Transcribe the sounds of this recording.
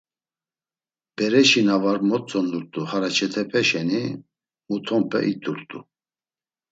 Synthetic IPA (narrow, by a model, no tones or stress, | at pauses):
b̥ɛɾɛʃinavaɾmɔt͡sʼɔnuɾt̪ʼuhaɾat͡ʃʰɛt̪ʰɛpʰɛʃɛni | mut̪ʰɔmpʰɛ̰ʔit̪ʼuɾt̪ʼṵ